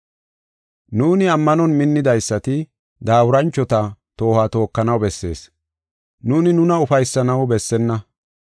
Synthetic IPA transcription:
nuːnɪɐmːɐnɔnmɪnːɪd̪ɐjsːɐt̪ɪ | d̪aːwʊɾɐnt͡ʃːɔt̪ɐt̪o̞ːhaːt̪o̞ːkːɐnɐwbɛsːe̞̰ːs | nuːnɪnʊnɐʊfɐjsːɐnɐwbɛsːɛnːɐ

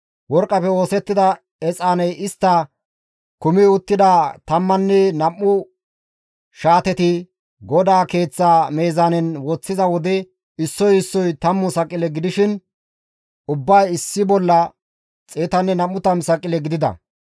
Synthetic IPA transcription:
wɔɾkʼːɐpɛo̞ːsɛt̪ːɪd̪ɐ | ɛt͡sʼaːnɛjɪst̪ːɐ | kʊmɪʊt̪ːɪd̪at̪ɐmːɐnːɛnɐmːʊ | ʃaːt̪ɛt̪ɪ | ɡɔd̪aːke̞ːt͡sːaːmeːzaːnɛnwɔt͡sːɪzɐwɔd̪ɛ | ɪsːɔjɪsːɔjt̪ɐmːʊsɐkʼːɪlɛɡɪd̪ɪʃɪn | ʊbːɐjɪsːɪbɔlːɐ | t͡sʼeːt̪ɐnːɛnɐmːʊt̪ɐmsɐkʼːɪlɛɡɪd̪ɪd̪ɐ̰

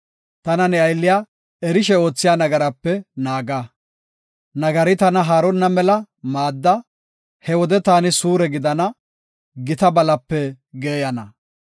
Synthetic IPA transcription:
t̪ɐnɐnɛɐjlːɪjaː | ɛɾɪʃ̬ɛo̞ːt͡sːɪjaːnɐɡɐɾɐpːɛnaːɡa | nɐɡɐɾɪt̪ɐnɐɦaːɾɔnːɐmɛlɐ | maːd̪ːɐ | hɛwɔd̪ɛt̪aːnɪsuːɾɛɡɪd̪ɐnɐ | ɡɪt̪ɐbɐlɐpːɛ | ɡeːjɐnɐ

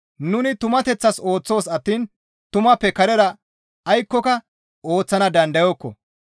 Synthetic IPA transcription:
nʊnɪt̪ʊmɐt̪ɛt͡sːɐso̞ːt͡sːo̞ːsɐt̪ːiːn | t̪ʊmɐpːɛkɐɾɛɾɐ | ɐjkːɔkɐ | o̞ːt͡sːɐnɐd̪ɐnd̪ɐjɔkːɔ̰

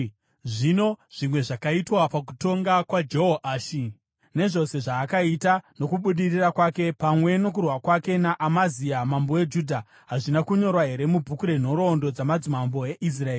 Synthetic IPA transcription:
ʐino̞ʐ̥imwe̞ʐakaitwapak̬u̥to̞ŋɡakwad͡ʒeɦoʔaːʃi | ne̞ʐo̞se̞ʐaːkaitano̞kuɓuɗirirakwake̞pamwe̞no̞k̬urwakwake̞naʔamaziamamboed͡ʒuːdʱa | ɦaʐinakuɲo̞rwaɦe̞ɾe̞mubʱukuɾe̞n̤o̞ɾo̞ndo̞d͡zamad͡zimambo̞e̞ʔis̬raeːi

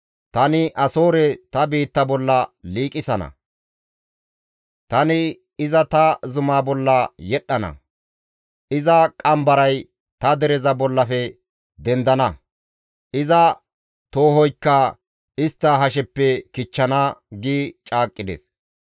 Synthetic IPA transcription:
t̪ɐnɪʔɐso̞ːɾɛt̪ɐbiːt̪ːɐbɔlːɐliːkʼɪsɐnɐ̰ | t̪ɐnɪ | ɪzɐt̪ɐzʊmaːbɔlːɐjɛɗːɐnɐ̰ | ɪzɐkʼɐmbɐɾɐj | t̪ɐd̪ɛɾɛzɐbɔlːɐfɛ | d̪ɛnd̪ɐnɐ | ʔɪzɐ | t̪o̞ːhɔjkːɐ | ɪst̪ːɐɦɐʃ̬ɛpːɛkɪt͡ʃːɐnaɡiːt͡ʃʼaːkʼːɪd̪ḛs

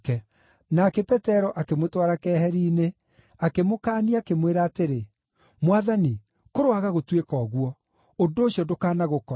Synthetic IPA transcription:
kɛ | nakɛpɛtɛɾɔʔakemotwaɾakɛhɛɾiːne | akemokaːniakemweɾaːteɾe | mwaðani | koɾoaɣaɣotwekɔːɣwɔ | ondoːɕjɔdokaːnaɣokɔ

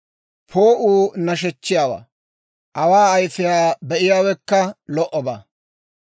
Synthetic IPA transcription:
pʰoːʔuːnɐʃ̬ɛt͡ʃːɪjaːwa̰ː | ʔɐwaːɐjfɪjaːbɛʔɪjaːwɛkːɐlɔʔɔbaː

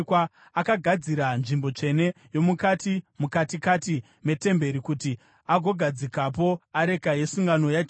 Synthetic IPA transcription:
kwa | akaɡʱad͡ziɾanʐimbo̞t͡ʂe̞ne̞ | jo̞mukatimukatikati | me̞te̞mbe̞ɾikuti | aɡʱo̞ɡʱad͡zikapo̞aɾe̞kaje̞suŋɡano̞jat͡ʃ

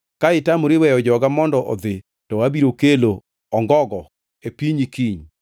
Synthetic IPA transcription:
kaɪtamoɾɪwɛjɔd͡ʒɔɡamɔndɔʔɔ̰d̪ɪ | tɔwabiɾokelo | ɔŋɡɔɡɔ | epiɲikiɲ

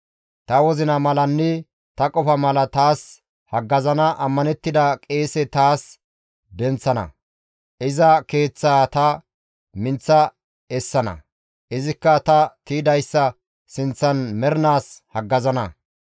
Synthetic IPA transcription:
t̪ɐwɔzɪnɐmɐlɐnːɛ | t̪ɐkʼɔfɐmɐlɐt̪aːs | hɐɡːɐzɐnɐʔɐmːɐnɛt̪ːɪd̪ɐkʼe̞ːsɛt̪aːs | d̪ɛnt͡sːɐnɐ̰ | ʔɪzɐke̞ːt͡sːaːt̪ɐ | mɪnt͡sːɐ | ɛsːɐnɐ̰ | ʔɪzɪkːɐt̪ɐt̪id̪ɐjsːɐ | sɪnt͡sːɐnmɛɾɪnaːshɐɡːɐzɐnɐ

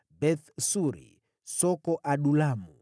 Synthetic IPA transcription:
bɛθsuɾḭ | sɔkɔʔaɗulamu

